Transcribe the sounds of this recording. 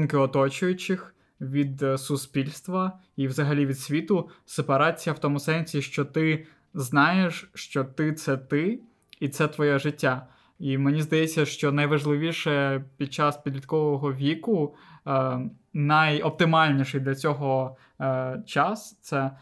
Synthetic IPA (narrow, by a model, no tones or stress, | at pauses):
mkɪɔt̪ɔt͡ʃʊjʊt͡ʃɪx | ʋʲid̪sʊspʲilʲst̪ʋɐ | iʋzɐɦɐlʲiʋʲid̪sʲʋʲit̪ʊsepɐɾɑt͡sʲijɐwt̪ɔmʊsɛnʲsʲiʃt͡ʃɔt̪ɪ | znɑjeʃt͡ʃɔt̪ɪt̪sɛt̪ɪ | it̪sɛt̪ʋɔjɛʒɪtʲːa | imenʲizd̪ɐjɛt͡sʲːɐʃt͡ʃɔnɐjʋɐʒlˠɪʋʲiʃɛpʲid̪̚t͡ʃɑspʲid̪ʲlʲit̪kɔʋɔɦɔʋʲikʊ | nɐjɔp̚t̪ɪmɑlʲnʲiʃɪjd̪lʲɐt͡sʲɔɦɔ | t͡ʃɑst̪sɛ